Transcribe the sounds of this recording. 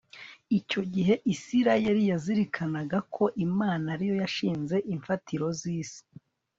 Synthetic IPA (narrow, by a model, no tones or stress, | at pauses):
ico̞ɟiɦe̞ʔisiɾajeɾijaziɾikʰanaɡakʰo̞ʔimaːnaɾijo̞jaʃiːnze̞ʔiɱfatʰiɾo̞ziːsi̥